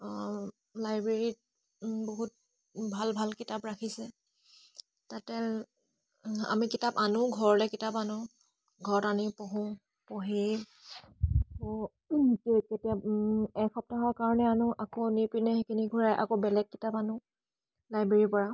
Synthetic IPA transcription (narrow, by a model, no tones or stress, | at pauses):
lajbɹeɹit | boɦut̚ | bʱalbʱalkitapɹakʰisɛ | tatɛ | a̰mikitapanʊ̃ɡʱɔɹɔlɛkitapanʊ | ɡʱɔɹɔtaniʊpɔɦʊ̃ | pɔɦi | ako | kketiaɛkxɔp̚taɦɔkaɹɔnɛanʊʔakonipinɛxikʰiniɡʱuɹajʔa̰kobɛlɛkːitapanʊ̃ | lajbɹeɹipɔɹa